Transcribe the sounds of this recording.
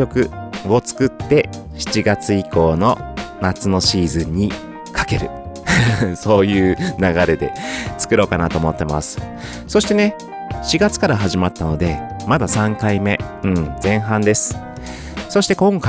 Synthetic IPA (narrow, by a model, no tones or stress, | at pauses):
o̞kɯ̟ɡo̞t͡sɨ̥kɯ̟t̪ːe̞ | ɕi̥t͡ɕiɡat͡sɨiko̞ːno̞nat͡sɨno̞ɕiːzɨ̃ɲ̟ːi | kʰḁke̞ɾɯ̟ | so̞ːjɯ̟ːnaɡaɾe̞d̪e̞̰t͡sɨ̥kɯ̟ɾo̞ːkanat̪o̞ːmo̞t̪ːe̞ma̰sɨ̥ | so̞ɕi̥t̪e̞ne̞ | ɕiɡat͡sɨ̥kaɾaɦaʑimat̪ːano̞d̪e̞mad̪asãŋkaime̞ɯ̟̃ɴd͡zẽ̞ɰ̃ɦãnd̪e̞sɨ̥ | so̞ɕi̥t̪e̞kõ̞ŋka